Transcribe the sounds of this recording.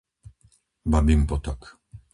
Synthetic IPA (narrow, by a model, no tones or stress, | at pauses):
babimpɔt̪ɔk